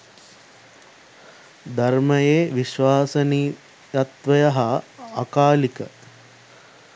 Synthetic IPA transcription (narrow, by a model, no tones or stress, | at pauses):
d̪ʱɐɾmɐjeːʋiʃʋaːsɐniː | ɐt̪ʋɐjɐɦɐːkaːlikɐ